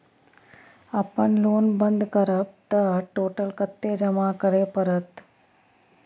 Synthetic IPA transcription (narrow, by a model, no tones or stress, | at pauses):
ɐpəɳloːnbənd̪ʱkɐɾɐp̚t̪ɐʈoːʈəlkɐt̪ːeːd͡ʒɐmaːkɐɾeːpɐɾət̪